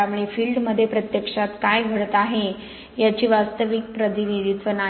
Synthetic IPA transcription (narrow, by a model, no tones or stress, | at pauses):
amɭifiːlɖməd̪ʱːjepɾət̪jəkʂat̪kajɡʱəɽt̪aɦe | jat͡ɕiːʋast̪əʋik̚pɾəd̪iʋid̪it̪ʋəna